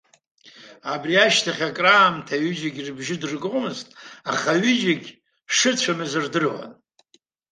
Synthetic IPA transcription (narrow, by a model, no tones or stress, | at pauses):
abriaʃtʰaχʲakʼraːmtʰaɥɪd͡ʒɪɡʲirbʒɪdɨrɡʼʷmɨztʼaχaɥʏd͡ʒɪɡʲ | ʂɨt͡ɕʷʰamɨzɨrdɨrwa̰n